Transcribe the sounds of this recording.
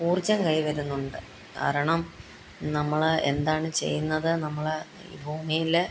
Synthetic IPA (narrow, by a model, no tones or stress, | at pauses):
uːrd͡ʑɐmkɐjiʋɐɾunːuɳɖɨ | ka̰ːɾɐɳɐm | nɐmːɐɭe̞̰nd̪aːɳɨt͡ɕe̞̰jːunːɐðɨnɐmːɐɭ | ḭːbʱuːmijil